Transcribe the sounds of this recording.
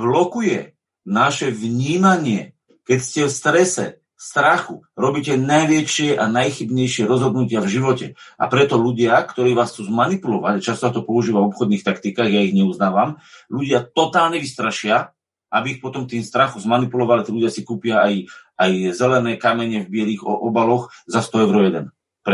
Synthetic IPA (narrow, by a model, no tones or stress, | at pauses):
blɔkujɛ | naʃɛʋɲiːmaɲɪɛ | kɛcscɛfst̪ɾɛsɛ̰ | st̪ɾaxuɾɔbiːcɛnajʋɛʃɪɛʔanajxibɲɛjʃɪɛɾɔzɦɔd̪nucɪavʒiʋɔcɛʔa̰pɾɛt̪ɔʎuɟɪakt̪ɔɾiːʋaːst͡suːzmanipulɔʋacat͡ʃast̪ɔat̪ɔpɔuʒiːʋavɔpxɔd̪niːxt̪akt̪ikaːɣjaiɣɲɛuznaːʋamʎuɟɪat̪ɔt̪aːlɲɛʋist̪ɾaʃɪa | ʔabiːxpɔt̪ɔmt̪iːmst̪ɾaxɔmzmanipulɔʋalit̪iːluɟɪasikuːpɪaajʔajzɛlɛnɛːkamɛɲɛvbɪɛliːɣɔbalɔxzast̪ɔɛʊɾɔjɛd̪ɛn | p